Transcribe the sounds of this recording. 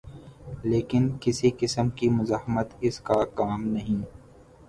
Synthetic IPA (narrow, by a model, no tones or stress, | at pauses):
leːkɪnkɪsikɪsəmkimʊzaːɦmət̪ɪskakaːmnɐɦĩː